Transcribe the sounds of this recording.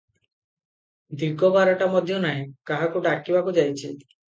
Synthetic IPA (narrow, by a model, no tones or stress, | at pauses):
d̪iɡːɔbaɾɔʈamɔd̪ʱjɔnaɦĩkaɦakuɖakibakud͡ʒajt͡ʃʰi